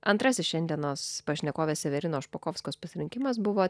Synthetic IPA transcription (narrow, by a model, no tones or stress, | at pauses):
ɐnt̪ɾɐsʲɪsʃʲɛnʲd̪ʲiɛnoːspɐʃʲnʲɛkoːʋʲeːssʲɛʋʲɛɾʲɪnoːʃpokɔːfskoːspɐsʲɪɾʲɪŋʲkʲɪmɐs̬bʊʋoː